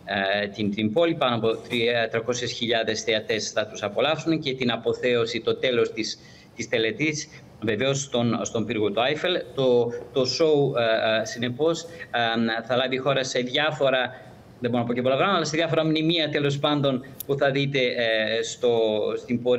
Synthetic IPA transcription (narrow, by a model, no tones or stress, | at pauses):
t̪int̪impo̞lipɐnoɐpo̞t̪ɾit̪ɾɐko̞sesçiʎɐðe̞sθeɐt̪e̞sθɐt̪usɐpo̞lɐfsunce̞t̪inɐpo̞θe̞o̞sit̪o̞t̪e̞lo̞st̪is | t̪ist̪e̞le̞t̪is | ve̞ve̞o̞st̪onst̪o̞mpiɾɣot̪uɐjfelt̪ot̪o̞so̞usine̞po̞s | θɐlɐvixo̞ɾɐse̞ðʝɐfo̞ɾɐ | ðebo̞ɾonɐpocepolɐɣɾɐmɐlɐse̞ðʝɐfo̞ɾɐmnimiɐt̪e̞lo̞spɐnd̪o̞npuθɐðit̪e̞st̪o̞st̪imbo̞ɾ